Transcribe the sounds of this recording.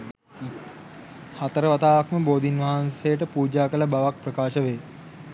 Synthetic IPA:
hat̪əɾəʋat̪aːʋakməboːd̪inʋaɦansejəʈəpuːd͡ʒaːkələbaʋak̚prɐkaːʃəʋeː

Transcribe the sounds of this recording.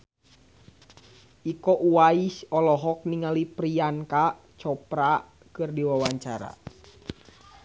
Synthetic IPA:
ʔikɔʔuaisɔlɔɦɔk̚niŋalipɾianka | t͡ʃɔpɾa | kɨrdiwawaɲt͡ʃaɾa̰

